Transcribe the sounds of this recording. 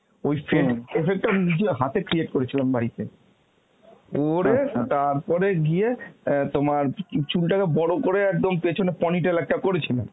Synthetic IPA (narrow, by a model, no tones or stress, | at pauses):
ojfʰeʈefek̚ʈaminid͡ʑeɦat̪ekɾieʈkoɾet͡ɕʰilambaɾit̪ḛ | oɾet̪aɾpɔɾeɡiet̪omaɾt͡ɕulʈakebɔɽokoɾeɛk̚d̪ompet͡ɕʰonepɔniʈelɛk̚ʈakoɾet͡ɕʰilen